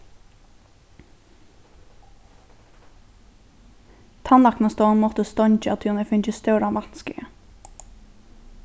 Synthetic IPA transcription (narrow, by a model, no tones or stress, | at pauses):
t̪ʰɑnlɑknəst̪oːnmɔt̪əst̪ɔɲc͡çəɑt̪ʰʉːnəfʏnçəst̪œːɾɑnʋɑnskə̰ɡə